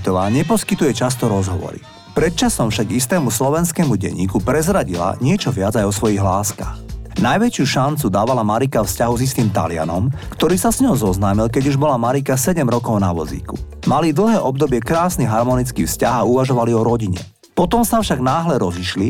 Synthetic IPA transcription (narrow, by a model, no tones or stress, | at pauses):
t̪ɔʋaːɲɛpɔskit̪ujɛt͡ʃast̪ɔɾɔzɦɔʋɔ̰ɾḭ | pɾɛt̪̚t͡ʃasɔmfʃaɡist̪ɛːmuslɔʋɛnskɛːmuɟɛ̰ɲḭːkupɾɛzɾaɟila̰ɲɪɛt͡ʃɔʋɪad͡zajɔsʋɔjiɣlaːska̰x | najʋɛt͡ʃɪuʃant͡sud̪aːʋalamaɾikafscaɦuzist̪iːmt̪a̰lɪa̰nɔmkt̪ɔɾiːsasɲɔɦɔzɔznaːmilkɛɟuʒbɔlamaɾikasɛɟɛmɾɔkɔʊnaʋɔzḭːkṵ | malid̪l̩ˠɦɛːʔɔb̚d̪ɔbɪɛkɾaːsniɦaɾmɔnit͡skiːfscaɦauʋaʒɔʋaliɔɾɔɟiɲɛ̰ | pɔt̪ɔmsafʃaɡnaːɦlɛɾɔziʃli